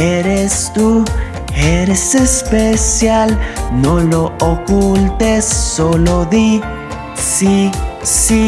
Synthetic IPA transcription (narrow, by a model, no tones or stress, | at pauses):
eɾest̪u | eɾesespesjalno̞lo̞okult̪esːo̞loði | sisi